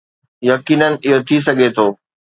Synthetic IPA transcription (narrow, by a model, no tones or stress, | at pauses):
jɐkiːnənɪ̆ɪɦot̪ʰis̬ɐɡʱet̪ʰoː